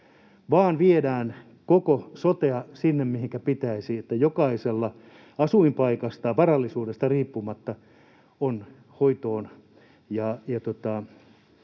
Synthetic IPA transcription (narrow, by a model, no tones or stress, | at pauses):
ʋɑːnʋiedæːn | kokosot̪eɑsinːemmihiŋkæpit̪æisiet̪ːæjokɑiselːɑ | ɑsuimpɑikɑst̪ɑʋɑrɑlːisuːdest̪ɑriːpːumɑt̪ːɑ | on | hoit̪oːn | jɑjɑt̪ot̪ɑ